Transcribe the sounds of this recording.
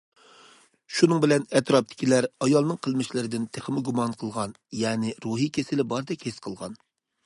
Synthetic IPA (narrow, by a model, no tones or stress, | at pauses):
ʃunɨŋbɪlɛnɛt̪ɾɑp̚t̪ʰɪ̥kʲʰilæɾɑjɑlˠnɨŋqʰəlˠmɪʃlɪɾɪd̪ɪnt̪ʰeχəmɪɡumɑnqʰəlˠʁɑn | jɛːnɪɾuɦikʲʰesɪlɪbɑɾd̪ɛkʲhesqʰəlˠʁɑn